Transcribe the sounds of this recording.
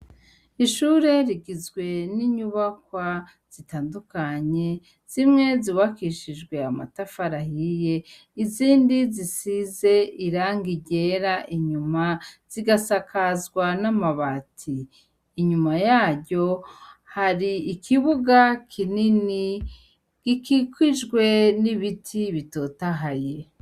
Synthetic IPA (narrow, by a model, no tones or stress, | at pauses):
iʃuɾe̞ɾiɡizɡwe̞niɲuβakwa | z̥itaːndukaɲe̞ | z̥imŋe̞ziβakiʃid͡ʒɡwe̞ama̰tafaɾahije̞ | iziːndizisize̞iɾaːŋɡiɟe̞ɾaʔiɲumaz̥iɡasakʰazɡwanamaβatʰiː | ɲumajaːɟo̞haɾiːkʰiβuɡakʰinini | ɡ̥ikikwiʒɡwe̞niβitʰiβito̞taɦaje